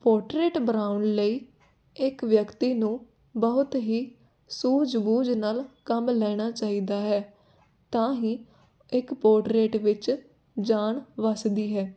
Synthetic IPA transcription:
poːʈɾeːʈbɾaːʊnləiː | ɪkʋjəkt̪iːnũː | bəɦʊt̪ɦiː | suːd͡ʒbuːd͡ʒnaːlkəmlɛːɽ̃aːt͡ʃaːiːd̪aːɦɛː | t̪ãːɦĩː | ɪkpoːʈɾeːʈʋɪt͡ʃ | d͡ʒaːɳʋəsd̪iːɦɛː

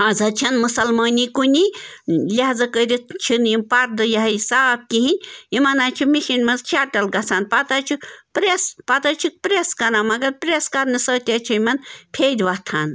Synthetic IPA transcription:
azɐt͡ʃʰɐnmusɐlmaːnikunʲilʲaɦzɐkəɾʲit̪ʰt͡ʃʰinjimpɐɾd̪ɨjɐɦɐjsaːb̚kiɦinʲimɐnaːt͡ʃʰumiʃinʲmɐnzt͡ʃʰaʈɐlɡɐt͡sʰaːnpɐt̪ɐt͡ʃʰupɾespɐt̪ɐt͡ʃʰuk̚pɾeskɐɾãːmɐɡɐɾpɾʲeskɐɾnisəːt̪ʲat͡ʃʰuimɐnpʰeːd̪ʲʋɐt̪ʰaːn

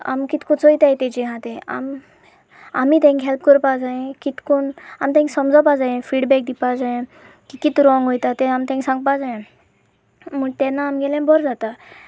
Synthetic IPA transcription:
a̰mkit̪kõt͡sojt̪ajt̪ẽd͡ʑiɦãt̪ẽa̰m | amiːt̪ẽŋkɦɛlp̚kəɾpad͡zajẽkit̪konamt̪ẽsəmd͡zapad͡zajẽfiɽbɛk̚d̪ipad͡zajẽ | kikit̪ɾɔŋɡɦojt̪at̪eamt̪ẽŋsãŋɡ̚pad͡zajẽ | m̤ət̪ɛnːaːmɡɛlãbʱɔɾd͡zat̪a

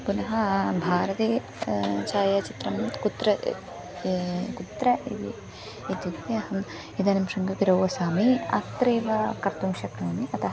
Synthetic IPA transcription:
kunɐɦɐbʱaːɾɐt̪eː | t͡ʃaːjaːt͡ʃit̪ɾɐmːɐt̪kut̪ɾɐ | kut̪ɾɐḭd̪ḭ | it̪jut̪ːeɐhɐm | id̪anɐmʂɐŋɡɐp̪iɾowʋɐsaːmiɐ̰t̪ɾeːʋɐkɐɾt̪umʃɐkneːmiʔɐt̪ɐɦɐ

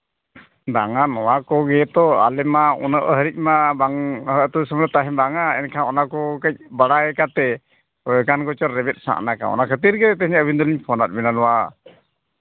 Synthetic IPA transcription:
b̪aŋanɔwakɔɡɛt̪ɔa̰lɛmaṵnəʔɦəɾic̚ˀmabaŋhəʔt̪ɔsəmɾɔt̪aɦɛbaŋaɛnkʰaɔnakɔkac̚ˀbaɽaɡɛkat̪ɛ | kanɡɔt͡ʃɔɾːɛbɛt̪̚sa̰ʔnaka̰ɔ̰nakʰət̪iɾɡɛt̪ɛt̪ɛɦɲaəbind̪ɔliɲpʰɔnat̪̚bɛnanɔwa

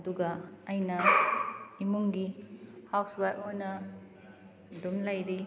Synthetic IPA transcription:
ɐduɡɐːjnɐ | imuŋɡihawsbajponɐ | dumlɐjɾi

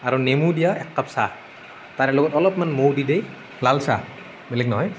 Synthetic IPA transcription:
aɾɔnemudijaɛkːapsa̰ | t̪aɾɛloɡɔt̪ɔlɔpmanmowdidej | lalsa̰ | belɛknɔɦɔj

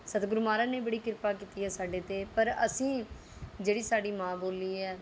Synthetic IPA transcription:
sət̪ɡʊɾmaːɾãːneːbəɽiːkɪɾpaːk̬iːt̪iːɛːsaːɖeːt̪eːpəɾəsĩː | d͡ʒeːɽiːsaːɖiːmãːboːliːɛː

